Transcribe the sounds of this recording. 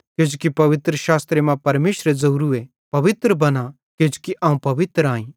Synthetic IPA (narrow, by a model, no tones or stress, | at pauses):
kɪd͡ʒkipɐʋɪt̪ɾəʃaːst̪ɾemãpɐɾmeːʃɾezɐuɾue | pɐʋɪt̪ɾəbɐna | kɪd͡ʒkiʔaːũpɐʋɪt̪ɾãːĩː